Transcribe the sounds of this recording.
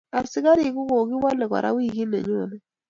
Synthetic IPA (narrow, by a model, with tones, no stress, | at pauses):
a˨sɪ˨˦ka˦ɾi˨kʊ˦ko˨ɡɪ˦wa˦lɛ˨ka̰˨ɾʔa̰˨˦wi˦˨ɡi˦nḛ˨ɲo˦˨nɛ˦